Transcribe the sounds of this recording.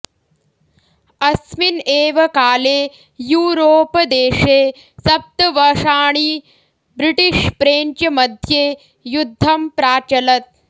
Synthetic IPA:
ɐsmineːʋɐkaːleː | juːɾoːpɐd̪eːʂeː | sɐp̚t̪ɐʋɐʂaːɳ̃i | bɾiʈiʂpɾeːɲt͡ʃɐmɐd̪ʱjeː | jud̪ʱːɐmpɾaːt͡ʃɐlɐt̪̚

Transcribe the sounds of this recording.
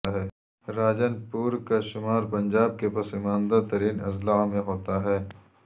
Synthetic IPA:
ɦɛː | ɾaːd͡ʒənpuːɾkaʃʊmaːɾpɐ̃ɲd͡ʒaːb̚kepɐsɪmãːnd̪at̪ɐɾiːnɐzlamẽɦoːt̪aɦɛː

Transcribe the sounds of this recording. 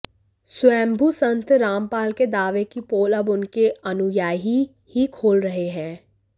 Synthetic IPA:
sʊɛ̃ːmbʱusə̃nt̪ɾaːmpaːlked̪aːʋekipoːləbʊnkeənʊjaːɦi | hikʰoːlɾəɦeɦɛ̃ː

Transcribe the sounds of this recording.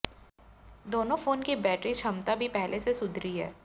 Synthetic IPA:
d̪oːnõfoːnkibɛːʈɾit͡ʃʰɐmt̪abʱipɛɦlʔesesʊd̪ʱɾiɦɛ̰ː

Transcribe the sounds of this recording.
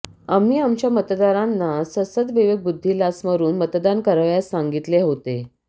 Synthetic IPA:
am̤iːamt͡ɕjamət̪d̪aɾanːasəsəd̪ʋəʋəɡ̚bud̪ʱːilasməɾuːnmət̪d̪ankəɾəʋjasːaŋɡit̪leɦot̪e

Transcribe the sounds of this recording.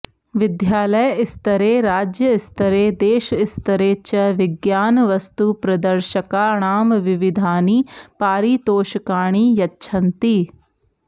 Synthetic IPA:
ʋɪd̪jaːləjɪst̪ɐɾeɾaːd͡ʒjəɪst̪əɾed̪eːʃɪst̪ɐɾeːt͡ʃɐʋɪɡjaːnʋɐst̪upɾɐd̪əɾʃəkaɳ̃aːmʋɪʋɪd̪ʱaːniːpaːɾiːt̪oːʃəkaːɽ̃iːjɐtːʃʰɐnt̪iː

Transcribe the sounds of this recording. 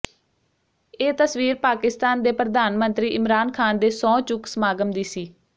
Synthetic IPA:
eːt̪əsʋiːɾpaːkɪst̪aːnd̪eːpɾəd̪aːnmənt̪ɾiːʔɪmɾaːnkʰaːnd̪eːsɔ̃ːt͡ʃʊksmaːɡəmd̪iːsiː

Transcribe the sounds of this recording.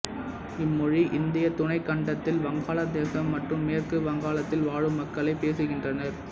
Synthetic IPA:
ɪmːɔɻiʔɪnd̪ɪjɐt̪ʊɳɐɪkːɐɳɖɐt̪ːɪlʋɐŋɡaːlɐd̪eːsɐmːɐʈrɯmːeːrkɯʋɐŋɡaːɭɐt̪ːɪlʋaːɻɯmːɐkːɐlɐɪpːeːsɯɣɪndrɐnɐɾ

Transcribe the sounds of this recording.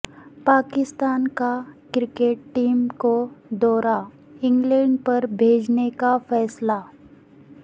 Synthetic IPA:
pakist̪ankakɾikeʈːiːmkod̪ɔɾa | iŋɡleɳɖpəɾbʱed͡znekafɛsla

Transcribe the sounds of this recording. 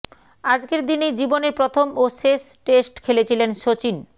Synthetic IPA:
ad͡ʑkeɾd̪inejd͡ʑiboneɾpɾot̪ʰomoʃes | ʈesʈkʰelet͡ɕʰilenʃot͡ɕin

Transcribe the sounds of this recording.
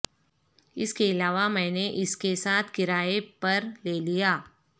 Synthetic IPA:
ɪskeɪlaːʋamɛ̃ːneʔɪskesaːt̪ʰkɪɾaːepɐɾleːlijaː

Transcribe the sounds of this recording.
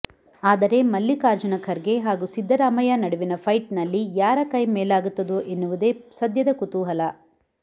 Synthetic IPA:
aːd̪ɐɾe̞mɐlːikaːɾd͡ʒɐnɐkʰɐɾɡe̞ɦaːɡusid̪ʱːɐɾaːmɐjɐnɐɽuʋinɐpʰɐjʈnɐlːijaːɾɐkɐjmeːlaːɡut̪ːɐd̪uʔenːuʋud̪e̞ːsɐd̪jɐd̪ɐkut̪uːɦɐlɐ

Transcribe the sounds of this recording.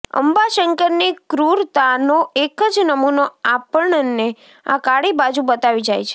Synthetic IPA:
ə̰mbaʃəŋkəɾnikɾuɾt̪anoekəd͡ʒnəmunoapəɳəne | a̰kaɽibad͡ʒubət̪aʋid͡ʒajt͡ʃʰe

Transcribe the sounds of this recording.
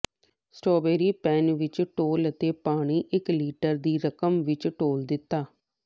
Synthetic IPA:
sʈoːbeːɾiːpɛːnʋɪt͡ʃʈoːlət̪eːpaːɽ̃iːʔɪkliːʈəɾd̪iːɾəkəmʋɪt͡ʃʈoːld̪ɪt̪ːaː

